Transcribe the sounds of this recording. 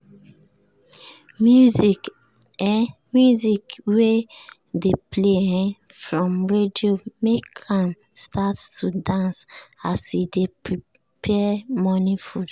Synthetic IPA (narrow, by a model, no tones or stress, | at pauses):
mjuzik | ɛ | mjuzikwe | depleɛ̃ | fɹɔ̃mɹediomekʰãm | stʰattʰudãnsasidepɹi | pʰɛmɔ̃nifud